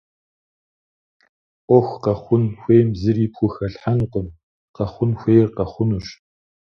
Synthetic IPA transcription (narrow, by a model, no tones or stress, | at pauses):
ʔʷɔxʷqɐχʷʊnxʷeːjmzɨriːpxʷʊxɐɬħanqʷəm | qɐχʷʊnxʷejrqɐχʷʊnuʂ